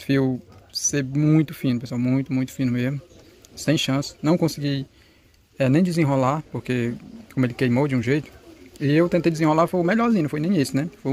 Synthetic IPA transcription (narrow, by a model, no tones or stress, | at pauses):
fiwseɾmũj̃t̪ʊfĩnʊpeswawmũj̃t̪ʊmũj̃t̪ʊ̥fĩnʊmezmʊ | sẽj̃ʃɐ̃sɪ̥nɐ̃w̃kõsiɡi | ɛnẽj̃d͡ʒɪzẽɦolaɾpoɾkekõmʊelɪkejmowd͡ʒɪũʒejt̪ʊ̥ɪewt̪ẽt̪ejd͡ʒɪzẽɦolafojʊmɛʎɔɾzĩnɐ̃fojnẽj̃isʊnɛfoj